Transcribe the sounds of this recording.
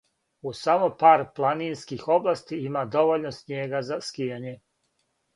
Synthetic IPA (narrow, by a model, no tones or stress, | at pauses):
usamopaːɾplˠaninskixo̞blˠast̪iimad̪o̞ʋoʎnosnjeːɡazaskijaɲe